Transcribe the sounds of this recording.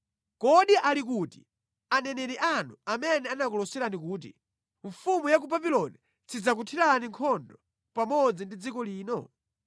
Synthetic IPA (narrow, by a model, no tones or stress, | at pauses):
kɔɗiʔalik̬uːti | anɛnɛɾiʔanuamɛnɛanakɔlɔsɛɾanik̬uːt̬ḭ | ɱfumujak̬ubabilɔni | t͡sid͡zak̬utʰiɾaniŋkʰɔndɔ | pamɔd͡zindid͡zikɔliːnɔ